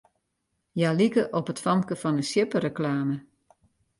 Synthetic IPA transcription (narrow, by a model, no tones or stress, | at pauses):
jalikəʔɔpətfɑmkəfɔnəsjɪpərəklaːmə